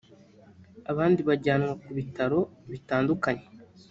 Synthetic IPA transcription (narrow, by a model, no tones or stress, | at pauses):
aβaːndiβaɟaːnŋwakuβitaɾo̞βitaːndukaɲe̞̥